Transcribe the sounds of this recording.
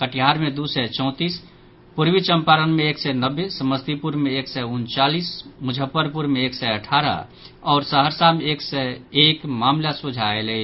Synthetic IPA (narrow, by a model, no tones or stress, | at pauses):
kəʈijɦaɾmẽd̪usɛt͡ʃɔ̃ʊ̃t̪is | puɾwit͡ʃəmpaɾənmẽeːksɛnəbːesəməst̪ipuɾmẽeksɛʊnt͡ʃaliːsmʊd͡ʒʱəpːəɾpuɾmẽeːksɛəʈʰaːɾə̰ | ɔːɾsəɦəɾsameːksɛekmaːmlasud͡ʒʱaele